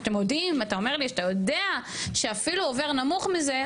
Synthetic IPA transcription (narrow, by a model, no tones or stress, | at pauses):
t̪emjod̪imat̪ao̞me̞ʁliat̪ajo̞d̪eaʃe̞afiluove̞ʁnamuχmize̞